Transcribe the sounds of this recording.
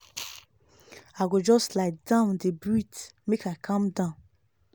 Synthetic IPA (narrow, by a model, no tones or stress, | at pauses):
aɡod͡ʒɔstlaɪt̚dãʊ̃ndəbɹitmekaɪkʰãmdãʊ̃n